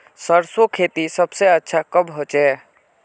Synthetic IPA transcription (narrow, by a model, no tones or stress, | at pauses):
səɾsokʰet̪isəbseətːʃʰakəbʱɦot͡ʃɛ